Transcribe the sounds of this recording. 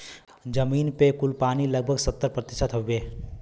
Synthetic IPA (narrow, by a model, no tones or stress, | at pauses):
d͡ʒəminpekulpaniləɡ̚bʱəɡsət̪ːəɾpɾət̪ɪsət̪ɦobe